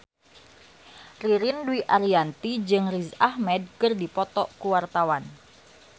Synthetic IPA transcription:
riɾindwiʔaɾiant̪id͡ʒɨŋrizahmɛd̚kərdipɔt̪ɔʔkuwart̪awan

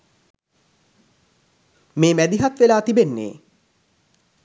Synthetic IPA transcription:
meːmæd̪iɦat̪ʋelaːt̪ibenːḛː

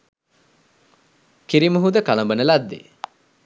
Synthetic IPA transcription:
kiɾimuɦud̪əkalɐmbənəlad̪ːḛ

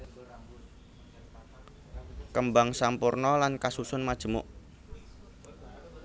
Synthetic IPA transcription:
kəmbaŋsampurnɔlankasusʊnmad̥ʒ̥ə̤mʊ̰ʔ

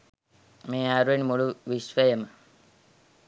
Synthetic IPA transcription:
meːaɾuʋenimuɭuʋisʋɐjəmə

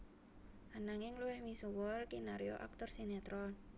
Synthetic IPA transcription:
ʔanaŋɪŋluwɛhmisuwɔlkinaɾijo̰ʔa̰k̚t̪ɔrsinet̪ɾɔ

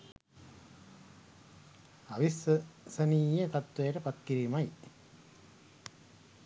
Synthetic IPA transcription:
aʋissəniːjet̪at̪ʋejəʈəpat̪kiɾiːmaj

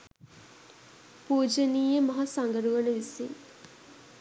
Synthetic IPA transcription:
puːd͡ʒəniːjəmɐɦɐsaŋɡəɾuʋɐnəʋisiŋ

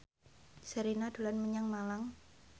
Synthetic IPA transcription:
səɾinad̥̪ṳlanməɲaŋmalaŋ

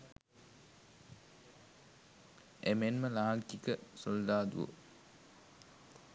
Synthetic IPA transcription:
emenməlaːŋkikəsold̪aːd̪ṵʋo̰

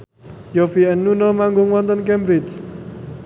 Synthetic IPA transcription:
jofiɛnːunomaŋɡʊŋwɔnt̪ənkɛmbɾɪt͡ʃ

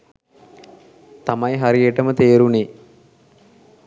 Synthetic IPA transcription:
t̪amɐjɦaɾieʈəmət̪eːɾune

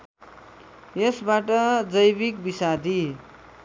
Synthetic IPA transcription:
jesbaʈʌd͡zʌjbik̚bisad̪ʱi

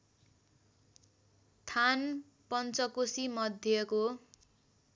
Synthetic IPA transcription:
t̪ʰan | pʌnt͡sʌkosimʌd̪ʱjʌko

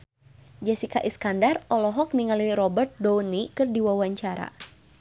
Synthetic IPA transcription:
d͡ʒasikaʔɛskandarɔlɔɦɔk̚niŋaliɾɔbərt̪̚dɔwnikɨrdiwawaɲt͡ʃaɾa̰

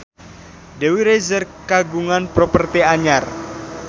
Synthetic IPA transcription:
dɛwiɾezərkaɡuŋanpɾopərt̪iaɲar

